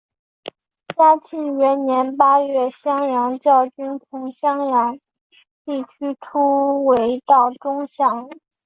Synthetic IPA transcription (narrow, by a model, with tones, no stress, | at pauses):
t͡ɕja˥t͡ɕʰi˥˩ŋɥɛ˧˥nnjɛ˧˥npa˥ɥɛ˥˩ɕjɑ˥ŋjɑ˧˥ŋt͡ɕjɑ˥˩ʊt͡ɕy˥np̪ʰʊ˧˥ŋɕjɑ˥ŋjɑ˧˥ŋ | t̪i˥˩t͡ɕʰy˥ʈ͡ʂʰu˥we˧˥ɪt̪ɑ˥˩ʊʈ͡ʂʊ˥ŋɕjɑ˥˩ŋ